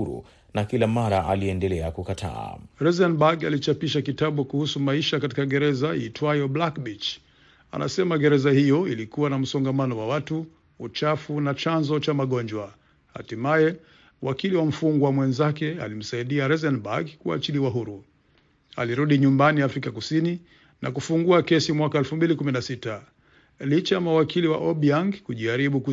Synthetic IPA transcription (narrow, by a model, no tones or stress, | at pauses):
uɾṵ | nakilamaɾaʔaliɛndɛlɛakukatʰa̰a̰ɾɛzɛnbaɡa̰lit͡ʃapiʃakitaɓukuhusumaiʃakatikaɡɛɾɛzajitwajɔblakbit͡ʃ | a̰nʔa̰sɛmaɡɛɾɛzahijɔilikuwanam̩sɔŋɡamanɔwawatuː | t͡ʃafunat͡ʃanzɔt͡ʃamaɠɔnɲd͡ʒwa | ha̰timajɛ | wakiliwam̩fuŋɡwamwɛnzakɛa̰lim̩saiɗiaɾɛzɛnbaɡkua̰t͡ʃiliwaɦuɾu | a̰liɾuɗiɲumbaniafɾikakusini | nʔa̰kufuŋɡuakɛsimwakaɛlfumbilikuminasita | lit͡ʃajamawakʰiliwa̰ʔɔɓiaŋɡkuʄiaɾiɓuku